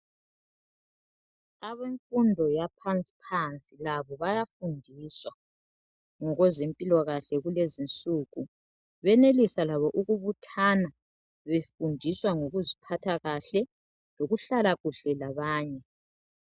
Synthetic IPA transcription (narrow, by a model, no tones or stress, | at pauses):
aβeɱfʼundʱɔjapʰant͡sʼi̥pʰant͡sʼilaβɔβajafundʱiswa | ŋɔɣɔzempʼilwɔɣaɬɛɣulezint͡sʼuːɣu | βɛnelisalaβɔʔuɣuβutʰana | βefundʱiswaŋoɣuzipʰatʰaɣaɬɛ | loɣuɬalaɣuɬɛlaβaːɲɛ